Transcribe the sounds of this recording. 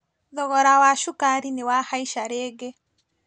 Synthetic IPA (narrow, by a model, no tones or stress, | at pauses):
ðɔɣɔɾawaʃukaɾinewahaiʃaɾeːɡe